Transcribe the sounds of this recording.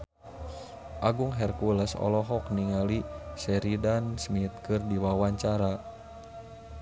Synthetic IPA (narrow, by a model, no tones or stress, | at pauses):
ʔaɡuŋɦɛrkuləsɔ̰lɔɦɔk̚niŋalisɛɾidansmit̪̚kɨrdiwawaɲt͡ʃaɾa